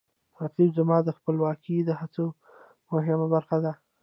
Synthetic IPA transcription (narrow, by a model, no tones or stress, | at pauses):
ɾatizamɑd̪əxpəlwɑkid̪əɦat͡so | mʊɦɪmabaɾxad̪a